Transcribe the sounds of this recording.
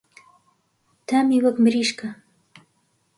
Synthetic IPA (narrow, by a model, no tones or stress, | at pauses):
t̪aːmiːwɐkmɨɾiːʃkɐ